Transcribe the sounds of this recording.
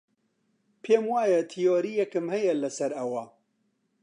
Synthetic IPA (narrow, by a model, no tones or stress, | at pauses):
pʰeːmwaːjɐt̪ʰijoːɾijɛkɨmhɐjɐlɐsɐɾɐwɐ